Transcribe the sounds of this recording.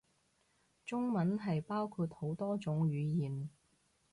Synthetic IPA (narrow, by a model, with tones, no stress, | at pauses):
t͡sʊ˥ŋmɐ˨˥nɦɐ˨jpaː˥wkʰuː˧t̚ho˨˥wt̪ɔː˥t͡sʊ˨˥ŋɥyː˨˧jiː˨˩n